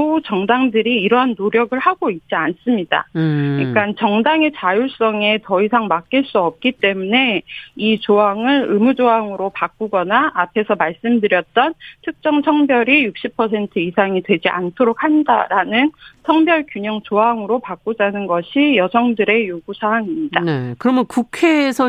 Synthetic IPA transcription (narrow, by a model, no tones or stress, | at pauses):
ot͡ɕʌŋdaŋdɯɾiːɾʌɦanːoɾjʌɡɯɭhaɡoit̚t͡ɕ͈ians͈ɯmɲida̰ik͈ant͡ɕʌŋdaŋe̞t͡ɕajuɭs͈ʌŋe̞tʌisʰaŋmak͈iɭs͈uʌp̚k͈it͈e̞mune̞it͡ɕoɦaŋɯɾɯmud͡ʑoɦaŋɯɾopak͈uɡʌnaːpʰe̞sʰʌmaɭs͈ɯmdɯɾjʌt̚t͈ʌntʰɯk̚t͡ɕ͈ʌŋsʰʌŋbjʌɾijuk̚ɕ͈ʰipʰʌsʰe̞ntʰɯisʰaŋidwe̞d͡ʑiʔa̰ntʰoɾok̚ʰhanda̰ɾanɯnsʰʌŋbjʌɭkjuɲʌŋt͡ɕoɦaŋɯɾopak͈od͡ʑanɯnɡʌɕʰijʌsʰʌŋdɯɾe̞joɡusʰaaŋimɲid̥a̰nekɯɾʌmjʌnkukʰesʰʌ